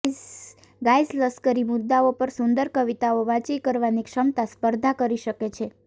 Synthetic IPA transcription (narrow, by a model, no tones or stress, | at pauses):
ɡajzləskəɾimʊd̪ːaopəɾsʊnd̪əɾkəʋit̪aoʋãt͡ʃikəɾʋanikʃəmt̪aspəɾd̪ʱakəɾiʃəket͡ʃʰe